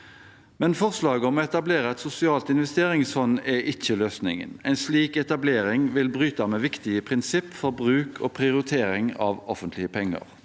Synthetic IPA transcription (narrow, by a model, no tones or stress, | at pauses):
mɛnfɔʁslɑːɡəɔmɔːɛt̪ɑbleːʁəɛt̪sʊsɪɑːlt̪ɪnʋɛst̪eːɾɪŋsfɔnɛʔɪçːəløːsnɪ̰ŋə̰nɛɪnsliːkɛt̪ɑbleːɾɪŋʋɪlbʁyːt̪ɑmɛːʋɪkt̪ɪəpʰʁɪnsɪpːfɔɾbʁʉːkʰo̰ːpʰʁɪʊɾɪt̪ʰeːɾɪŋɑ̰ʋɔfənt̪lɪəpʰɛŋːə̰ʁ